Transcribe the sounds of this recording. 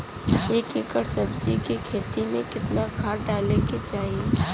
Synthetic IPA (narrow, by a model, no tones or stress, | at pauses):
eːkeːkəɽsɐbd͡ʒikikʰeːt̪imẽkɪt̪nakʰaːɾɖaːleket͡ʃaːɦie